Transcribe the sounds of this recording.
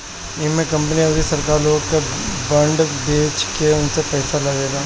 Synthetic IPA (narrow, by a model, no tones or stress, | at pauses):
ɪmẽkɐ̃mp̬niɐdisɐɾkaːɾloːɡkebɐ̃ɳɖbeːt͡ʃkeʊnsepɛːsalɐɡeːɡaː